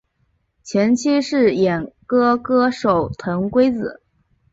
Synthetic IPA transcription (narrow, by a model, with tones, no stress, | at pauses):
t͡ɕʰjɛ˧˥nt͡ɕʰi˥ʂɻ̩˥˩jɛ˨˩nkɤ˥kɤ˥ʂo˨˩ʊt̪ʰɤ˧˥ŋkwe˥ɪt͡sɹ̩˨˩˦